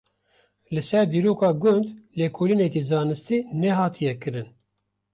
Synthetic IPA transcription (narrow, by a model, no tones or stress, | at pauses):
lɨsɛɾd̪iːɾoːkɑːɡʊnd̪leːkʰoːlinɛkizɑːnɨst̪iːnɛɦɑːt̪ʰijɛkɨɾɨn